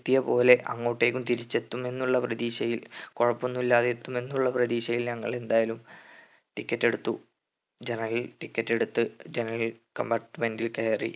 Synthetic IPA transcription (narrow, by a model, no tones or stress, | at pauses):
t̪ːijɐpo̞ːle̞ʔɐŋːoːʈːe̞ːkːumt̪iɾit͡ɕːe̞t̪ːume̞nːuɭːɐprɐðiːɕɐjilkoɻɐpːonːulːaːðe̞t̪ːume̞nːuɭːɐprɐðiːɕɐjilɲɐŋːɐɭe̞nd̪aːjalum | ʈikʲːɐtːe̞ɽut̪ːu | d͡ʑe̞nɐrɐlʈikʲːɐtːe̞ɽut̪ːɨd͡ʑenɐrɐlkɐ̰mbaːʈːmendilkeːrḭ